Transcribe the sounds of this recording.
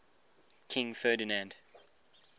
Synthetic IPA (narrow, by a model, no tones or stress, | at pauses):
kʰɪ̃ŋfɛdinãnd